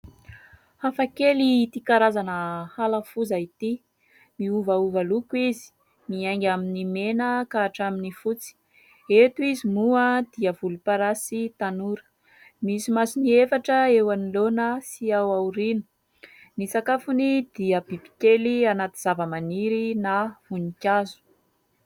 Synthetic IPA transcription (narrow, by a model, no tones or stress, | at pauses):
hafakeliit̪ikaɾazanəhalafuzait̪i | miuvauvalukuizi̥ | miajŋɡʲaminimenəkaːʈ͡ʂaminifut͡si̥ | et̪uizimuəd̪̥iəvulupaɾasit̪anuɾə̥ | misimasiniefaʈ͡ʂəewanilonəsiawauɾinu̥ | nisakafunid̪̥iəb̥ibi̥kelianat̪iz̥avəmaniɾinavunikʲazu̥